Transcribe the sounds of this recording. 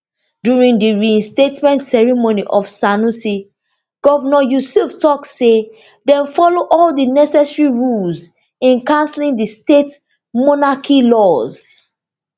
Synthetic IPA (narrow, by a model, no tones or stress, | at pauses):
djuɹĩŋdiɹiĩnstetmɛ̃ntsɛɹimoniʔɔfsanusi | ɡ̥ɔvɔnɔjusuftɔkse | dɛ̃nfɔloʔɔldinɛsɛsɹiɹulz | ĩnkãnslĩŋdistet | mɔnakʰilɔz̥